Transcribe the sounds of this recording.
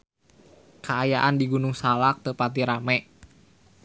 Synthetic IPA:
kʰaajaʔandiɡunʊŋsalak̚t̪əpat̪̬iɾamɛʔ

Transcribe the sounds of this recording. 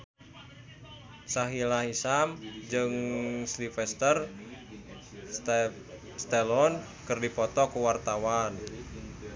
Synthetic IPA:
saɦilaɦisamd͡ʒɨŋslifɛst̪ər | st̪ɛlɔn | kɨrdipɔt̪ɔkuwart̪awan

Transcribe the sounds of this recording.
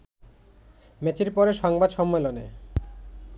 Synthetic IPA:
met͡ɕiɾpɔɾeʃɔŋbad̪ʃɔmːelone

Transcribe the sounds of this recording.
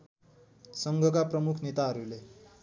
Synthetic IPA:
sʌŋɡʱʌkaprʌmukʰnet̪aɦʌɾule

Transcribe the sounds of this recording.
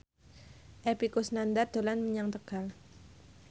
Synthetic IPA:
ʔɛpikusnand̪ard̪̥olanməɲaŋt̪əɡ̥al

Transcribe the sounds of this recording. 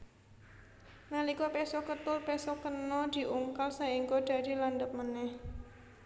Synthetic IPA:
nalikopesɔkət̪ʊlpesɔkənɔd̪̥i̤ʔuŋkalsaiŋkod̪̥ä̤d̪̥i̤land̪əp̚mənɛh

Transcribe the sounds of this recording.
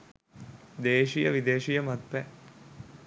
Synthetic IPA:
d̪eːʃijəʋid̪eːʃijəmat̪̚pɛ

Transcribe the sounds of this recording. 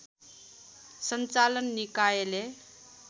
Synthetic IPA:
sʌnt͡salʌnːikajele

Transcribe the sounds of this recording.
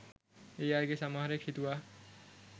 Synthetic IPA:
ejaɾɡesamaɦaɾekʰit̪uwa

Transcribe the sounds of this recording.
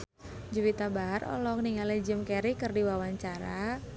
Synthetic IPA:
d͡ʒuwit̪abaɦarɔ̰lɔk̚niŋaled͡ʒəmkɛɾikɨrdiwawaɲt͡ʃaɾa

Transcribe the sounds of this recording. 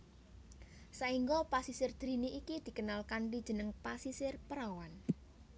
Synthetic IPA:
saiŋɡɔpasisɪrd̪̥ɾiniʔikid̪̥i̤kənalkanlid̥ʒ̥ə̤nəŋpasisɪrpəɾawan

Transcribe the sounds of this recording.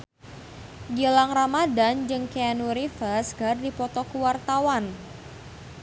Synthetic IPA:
ɡilaŋramadand͡ʒɨŋkeanuɾifərsɡardipɔt̪ɔkuwart̪awan

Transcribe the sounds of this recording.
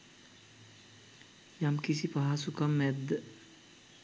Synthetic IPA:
jamkisipaɦasukɐmːɛd̪

